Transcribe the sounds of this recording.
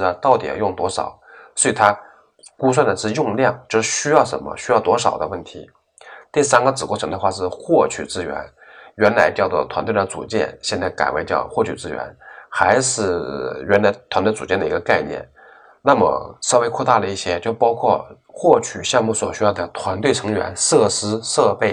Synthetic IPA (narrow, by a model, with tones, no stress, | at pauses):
t̪ɑ˥˩ʊt̪i˨˩j̰ɑ̰˨˩jʊ˥˩ŋt̪wɔ˥ʂɑ̰˨˩˦ʊswɔ˧˥i˨˩t̪ʰa˥ | ku˥s̬wa˥˩nd̪ə˩ʂɻ̩˥˧jʊ˥˧ŋljɑ˥˩ŋt͡ɕjo˥˧ʊʂɻ̩˥˩ɕy˥jɑ˥˩ʊʂə̰˧˥nmə̰˧ɕy˥jɑ˥˩ʊt̪wɔ˥ʂɑ˨˩ʊd̪ə˦wə˥˩nt̪ʰḭ˧˥ | t̪i˥˩sa˥nɡə˨˩t͡sɻ̩˨˩kwɔ˥˩ʈ͡ʂʰɤ˧˥ŋd̪xwa˥˧ʂɻ̩˥˧xwɔ˥˩t͡ɕʰy̰˨˩t͡sɹ̩˥ɥɛ̰˧˥n | ɥɛ˧˥nla˧˥ɪt͡ɕjɑ˥˧ʊt͡swɔ̰˥˩t̪ʰwa˧˥nt̪we˥˩ə˧t͡sṵ˨˩t͡ɕjɛ̰˥˧˩nɕjnt͡sa˥˩ɪka̰˨˩ɪwe˧˥ɪt͡ɕjɑ̰˥˧ʊxwɔ˥˩t͡ɕʰy̰˨˩ʈ͡ʂɹ̩˥˩ɥɛ̰˧˥nxa˧˥ɪʂɻ̩˥˩ɥɛ˧˥nla˧˥ɪt̪ʰwa˧˥nt̪we˥˩t͡sṵ˨˩t͡ɕjɛ˥˩nd̪ə˩i˧˥ɡə˧ka˥˧ɪnjɛ̰˥˩n | na˥˩mə̰˩ʂɤ˥˩we˥ɪkʰɔ˥˧t̪a˥˩lə˩i˥˩ɕjɛ˥t͡ɕjo˥˧˩ʊpɑ˥ʊkʰwɔ˥˧ | xwɔ˥˩t͡ɕʰy˨˩ɕjɑ˥˧ŋmu˥˩swɔ̰˨˩ɕy˥jɑ˥˩d̪ə˩t̪ʰwa˧˥nt̪we˥˩ɪʈ͡ʂʰɤ˧˥ŋɥɛ̰˧˥nʂɤ˥˩ʂɻ̩˥ʂɤ˥˧pe˥˩ɪ